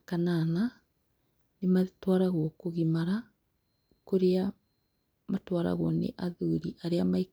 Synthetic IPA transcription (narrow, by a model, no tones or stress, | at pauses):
kanana | nematwaɾaɣwɔkoɣimaɾa | koɾea | matwaɾa̰ɣwɔnḛʔaðuɾiʔaɾeamaik